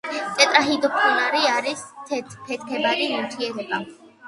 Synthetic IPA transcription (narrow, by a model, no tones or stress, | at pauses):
t̪sʼɛt̪ʼɾaɦid̪ɔpʰɔnaɾiaɾisʰpʰɛt̪kʰɛbaɾimiɾt̪ʰiɛɾɛba